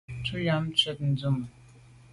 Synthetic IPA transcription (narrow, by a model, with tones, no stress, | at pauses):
tʰu˦ja˦m˦t͡sɛ˦tn̩˦d͡zu˦˨m˨